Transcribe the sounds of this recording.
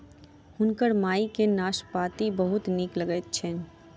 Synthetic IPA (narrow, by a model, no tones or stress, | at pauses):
hʊnkəɾmaːikenaːʃpaːt̪ibəɦʊt̪nikləɡɛt̪̚t͡ʃʰɛn